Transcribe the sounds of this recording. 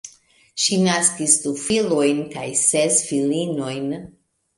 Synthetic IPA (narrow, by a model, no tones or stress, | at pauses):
ʃinaskisdufilojnkajsesfilino̞jn